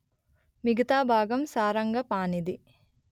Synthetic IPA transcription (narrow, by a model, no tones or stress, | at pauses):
miɡɐt̪aːbʱaːɡɐmsaːɾɐŋɡɐpaːnid̪i